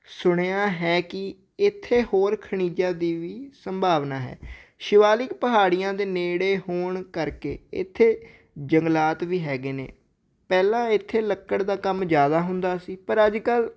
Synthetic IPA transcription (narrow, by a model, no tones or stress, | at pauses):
sʊɽ̃eːaːɦɛːkɪ | ɪt̪ʰːeːhoːɾkʰəɽ̃iːd͡ʒãːd̪iːʋiːsəmbʱaːʋnaːɦɛ̰ːʃɪʋaːlɪkpəɦaːɽɪjãːd̪eːneːɽeːhoːɳkəɾkḛːɪ̰t̪ʰːeː | d͡ʒəŋɡlaːt̪ʋiːɦɛːɡeːnḛː | pɛːlãːɪt̪ʰːeːləkːəɽd̪aːkəmd͡ʒjaːd̪aːɦʊnd̪aːsiːpəɾəd͡ʒkəl